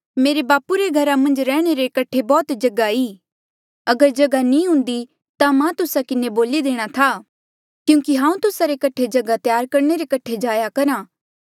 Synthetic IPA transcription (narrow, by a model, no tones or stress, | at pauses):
meːɾebaːpuɾeɡʱɐɾamɐ̃nd͡ʒɾɛːɽ̃eɾekɐʈʰebɔːt̪d͡ʒɐɡaiː | ɐɡəɾd͡ʒɐɡanĩɦʊ̃ːnd̪i | t̪amãt̪ʊsakɪneboːlid̪eːɽ̃at̪ʰa | kjũːkiɦãːũt̪ʊsaɾekɐʈʰːed͡ʒɐɡat̪jaːɾkɐɾɳ̃eɾekɐʈʰed͡ʒaːjakɐɾãː